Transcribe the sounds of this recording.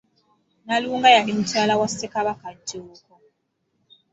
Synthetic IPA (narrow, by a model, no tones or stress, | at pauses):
naluŋɡajaɗim̩t͡ʃalawasɛkaβakad͡ʒiukɔ